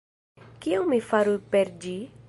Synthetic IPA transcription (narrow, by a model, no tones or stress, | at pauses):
kɪewmɪfaɾupeɾd͡ʒi